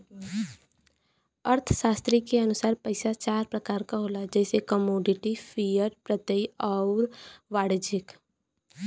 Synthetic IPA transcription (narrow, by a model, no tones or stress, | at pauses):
əɾt̪ʰʃaːst̪ɾikeɐnʊsaːɾpəɪsat͡ʃaːɾpɾɐkaːɾkaɦoːlad͡ʒɛːsekəmoːɖɪʈifʰijəɾɖpɾət̪eiɔːɾʋaːɽd͡ʒɪk